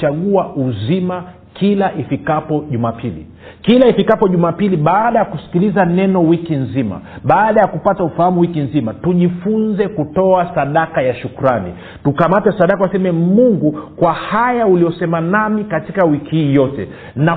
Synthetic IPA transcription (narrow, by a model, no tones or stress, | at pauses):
aɠuauzima | kʰilaʔifikapɔʄumapʰilḭ | kilaifikapɔʄumapiliɓaːɗajakusi̥kilizanɛnɔwikinzima̰ɓaːɗajakupataufahamuwikinzimatuʄifunzɛkutɔasaɗakajaʃukuɾanḭ | tukamatɛsaɗakawasɛmɛmuŋɡukwahajaulijɔsɛmanamikatikawikihiːjɔtɛ̰ | na